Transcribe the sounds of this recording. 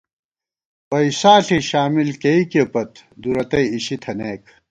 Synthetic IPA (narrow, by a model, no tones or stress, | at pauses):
wɐisaːɬiɕaːmilkeikepɐt̪d̪uɾɐt̪ɐiɕit̪ʰɐneːk